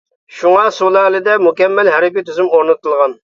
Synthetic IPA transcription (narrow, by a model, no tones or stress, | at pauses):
ʃuŋɑsulˠɛlɪd̪ɛmukʲɛmːɛlɦɛɾɪpʲit̪ʰyzymoɾnɨt̪ʰɨlˠʁɑn